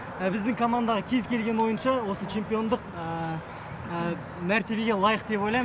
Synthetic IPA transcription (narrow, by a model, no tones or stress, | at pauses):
bɪzd̪ɪŋkʰo̞mand̪ɑʁəkʲʰe̞zkʲʰe̞lɡʲe̞nwo̞jənʃɑwo̞sət͡ʃʰe̞mpijo̞nd̪əqə | mæɾt̪e̞be̞ɡʲe̞lˠɑjəqd̪e̞pojlˠɑjm